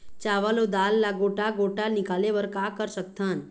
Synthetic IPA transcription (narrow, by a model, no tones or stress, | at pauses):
t͡ʃaːʋalod̪aːlːaɡoːʈaɡoːʈanɪkaːleʋəɾkaːkəɾsək̚t̪ʰaːn